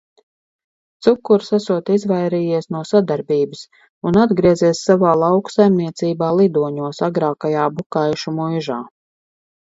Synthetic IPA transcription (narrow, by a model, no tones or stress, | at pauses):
t̪sukːuɾsasuɔt̪izvajɾijiɛsnuɔsad̪aɾbiːbɨs | unad̪ɡɾiɛziɛsːavaːlˠawksajmniɛt̪siːbaːlˠid̪uɔɲuɔsaɡɾaːkajaːbukajʃumujʒaː